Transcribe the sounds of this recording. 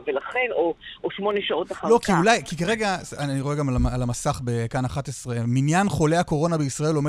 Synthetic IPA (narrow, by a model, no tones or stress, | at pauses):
velaχe̞nooʃmo̞neʃao̞taχalo̞kiulajkikaʁe̞ɡaaniʁoe̞ɡamlaalamasaχbekanaχat̪esʁeminjanχo̞le̞ako̞ʁo̞nabeisʁae̞lo̞me